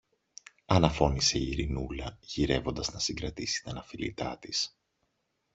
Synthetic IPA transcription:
ɐnɐfo̞nise̞iːɾinulɐʝiɾe̞vo̞nd̪ɐznɐsiŋɡɾɐt̪isi̥t̪ɐnɐfilḭt̪ɐ̰t̪is

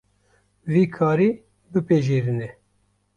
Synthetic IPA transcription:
viːkʰɑːɾiː | bɨpeʒeːɾɨnɛ

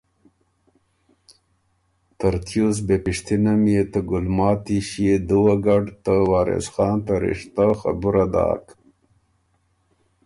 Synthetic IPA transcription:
t̪ɐɾt̪jus̬bepiʂt̪inamjet̪əɡulmɑːt̪iɕjed̪uwaɡaɖt̪əwaːɾḛsxɑːnt̪aɾḭʂt̪axa̰buɾad̪ɑ̰ːk

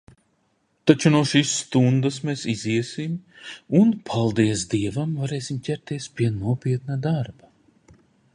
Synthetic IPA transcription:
t̪at͡ʃunuɔʃiːsːt̪und̪asmeːsiziɛsimunpʰalˠd̪iɛsd̪iɛvamvaɾeːsimcʲæɾt̪iɛspʲiɛnuɔpʲiɛt̪nad̪aɾba

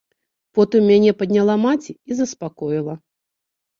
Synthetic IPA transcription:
pɔt̪ɨmːʲanʲɛpɐd̪ʲnʲalˠamat͡sʲiizɐspakɔjilˠɐ

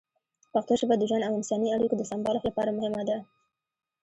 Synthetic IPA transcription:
paxt̪oʃəbad̪əʒanawɪnsɑniaɽikod̪əsɑmbɑlxlapɑɾamʊhɪmad̪a

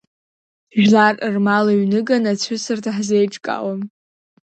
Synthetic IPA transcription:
ʒᶣlarɨrmalaɥnɨɡanat͡sʷʰʊsɨrtʰaħzejʈ͡ʂʼkʼa̰wam

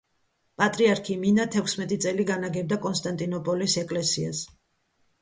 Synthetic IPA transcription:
pʼat̪ʼɾiaɾkʰiminat̪ʰɛkʰsmɛt̪ʼit̪sʼɛliɡanaɡɛb̚d̪akʼɔnst̪ʼant̪ʼinɔpʼɔlisɛkʼlɛsia̰s

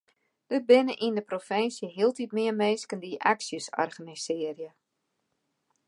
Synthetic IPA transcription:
d̥ət̚bɪnəʔindəprofɪnsjəɦiəlˠtitmɪəmeːskəndiʔa̰ksjəsɔ̰rɣənisɪərjə

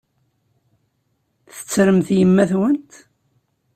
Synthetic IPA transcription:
θə̥t͡sːɾəmθjəmːæθwənt̪

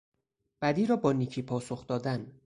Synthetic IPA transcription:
b̥æd̪iːɾɒːbɒːniːcʰiːpʰɒːsoxd̪ɒːd̪æn

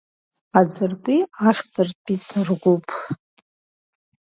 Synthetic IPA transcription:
ad͡zɨrkʷʼiaχʲdɨrpʼitʰɨrɡʷupʼʰ

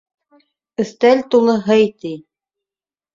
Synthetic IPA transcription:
ɵ̆θt̪ælʲt̪ulˠɤɦɤjt̪ij

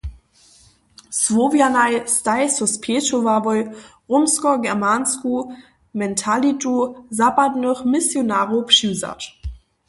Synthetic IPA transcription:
svovjanajstajsɔspʰeːʃovavɔjʁʊmskɔɡɛʁmansku | mɛntʰalituzapadnɔχmɪsjonaːʁopʃiza̰t

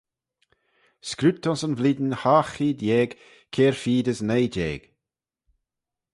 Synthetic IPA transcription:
skɾʉt̪ʰːɔnsənvlid̪ənhaːxiːd̪jɛːɡ | kʰeːɹfiːd̪əsnejd͡ʒɛ̰ːɡ̥

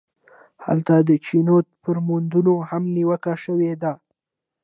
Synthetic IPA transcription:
ha̰lt̪ad̪ət͡ʃinot̪̚pəɾmund̪unohamniwəkaʃəwed̪a

